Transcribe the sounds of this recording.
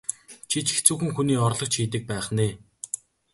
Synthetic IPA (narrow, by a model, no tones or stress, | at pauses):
t͡ɕʰit͡ɕʰt͡suːxɘ̆ŋxuniːɔrɮɞ̆k̚t͡ɕʰiːt̪̬ɘ̆k̚pæːχneː